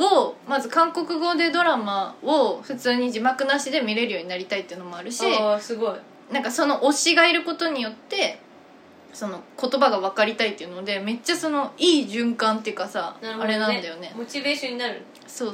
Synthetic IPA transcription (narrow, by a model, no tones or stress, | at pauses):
omazɨkãŋko̞kɯ̟ɡo̞d̪e̞d̪o̞ɾamaoɸɯ̟t͡sɨːɲ̟id͡ʑimakɯ̟naɕid̪e̞mʲiɾe̞ɾɯjoːɲ̟inaɾʲit̪ait̪ːeiɯ̟no̞mo̞aɾɯ̟ɕisɨɡoi | nãŋkaso̞no̞ʔoɕiɡaiɾɯ̟ko̞t̪o̞ɲ̟ijo̞t̪ːe̞ | so̞no̞ko̞t̪o̞baɡaβ̞akaɾʲit̪ait̪ːeɯ̟nod̪e̞me̞t͡ɕːaso̞no̞iːʑɨ̃ŋkãnt̪eɯ̟kasanaɾɯaɾe̞nãnd̪ajo̞ne̞mot͡ɕibe̞ːɕõɲ̟ːinaɾɯ̟ | so̞ː